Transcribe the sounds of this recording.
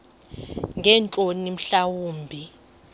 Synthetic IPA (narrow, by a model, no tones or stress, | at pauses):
ŋʱɛnt͡ɬʼonim̩ɬawuːmbʱi